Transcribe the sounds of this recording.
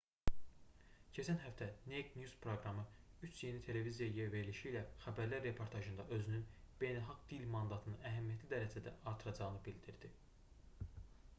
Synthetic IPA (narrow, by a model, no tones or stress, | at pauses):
cʰæt͡ʃʰænɦæft̪ʰæneɡnjuz̥pʰɾoɡɾɑmɯyt͡ʃʰje̞nit̪ʰe̞le̞vizijɑjijɛve̞ɾliʃiːlæxæbæɾlæɾːe̞pʰo̞ɾt̪ʰɑʒɯnd̪ɑ̰ʔø̞zynynb̥e̞jnælˠxɑɡd̪ilmɑnd̪ɑt̪ʰɯnɯæɦæmijæt̪ʰlid̪æɾæd͡ʒæd̪æʔɑɾt̪ʰɯɾɑd͡ʒɑɣɯnɯbild̪iɾd̪̥i